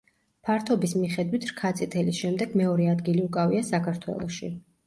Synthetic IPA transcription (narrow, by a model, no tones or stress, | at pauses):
pʰaɾt̪ʰɔbismiχɛd̪wit̪ʰɾkʰat̪sʼit̪ʰɛlisʃɛmd̪ɛɡmɛɔɾɛad̪ɡiliukʼaviasakʰaɾt̪ʰwɛ̰lˠɔ̰ʃḭ